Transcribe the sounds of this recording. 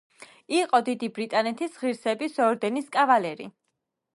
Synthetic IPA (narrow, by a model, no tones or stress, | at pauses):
iqʼɔd̪id̪ibɾit̪ʼanɛt̪ʰisʁiɾsɛbisɔɾd̪ɛniskʼavalɛɾḭ